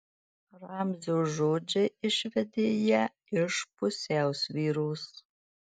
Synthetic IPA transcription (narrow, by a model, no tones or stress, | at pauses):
raːmzoːʒoːd͡ʒɐɪʃvɛdeːjɛ | ɪʂpʰʼʊsɛːwswiːɾuːs